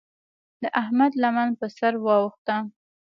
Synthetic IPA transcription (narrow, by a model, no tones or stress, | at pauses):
d̪əʔahmad̪lamanpəsaɾwɑwəxt̪a